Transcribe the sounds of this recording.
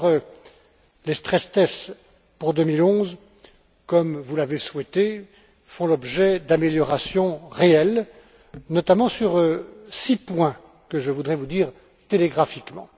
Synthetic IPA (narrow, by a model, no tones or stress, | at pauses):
ʁ | lest̪χɛst̪ɛs | puʁd̪ømilɔ̃z | kɔmvulaveswɛt̪e | fɔ̃lɔbʒɛd̪ameljɔʁasjɔ̃ʁeɛl | nɔt̪amɑ̃syʁsipwɛ̃ | kəʒəvud̪ʁɛvud̪iːʁ | t̪eleɡʁafikmɑ̰̃